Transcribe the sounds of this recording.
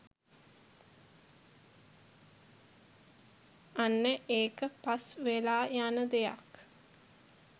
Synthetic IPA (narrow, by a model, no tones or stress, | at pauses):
anːəʔeːkəpasʋelaːjanəd̪eja̰k